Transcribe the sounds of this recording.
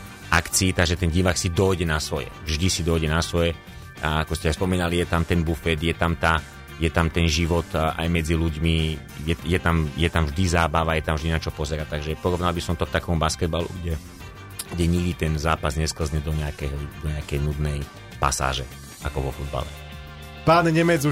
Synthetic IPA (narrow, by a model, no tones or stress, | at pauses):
ʔakt͡siːt̪aɡʒɛt̪ɛnɟiʋaksid̪ɔjɟɛnasʋɔjɛ̰vʒd̪isid̪ɔjɟɛnasʋɔjɛ | akɔscɛaspɔmiːnalijɛt̪amt̪ɛnbufɛd̪jɛt̪amt̪a | jɛt̪amt̪ɛnʒiʋɔt̪ʔa̰jmɛd͡ziluɟmi | jɛjɛt̪amjɛt̪amvʒd̪izaːbaʋajɛt̪amvʒd̪inat͡ʃɔpɔzɛɾat̪aɡʒɛpɔɾɔʋnalbisɔmt̪ɔkt̪akɔɔmbaskɛd̪̚balṵɡɟɛ | ɡɟɛɲiɡd̪it̪ɛnzaːpazɲɛskl̩zɲɛd̪ɔɲɛakɛɦɔd̪ɔɲɛakɛjnud̪nɛj | pa̰sa̰ːʒɛ | akɔʋɔfud̪̚ba̰lɛ̰ | paːnɛɲɛmɛd͡zu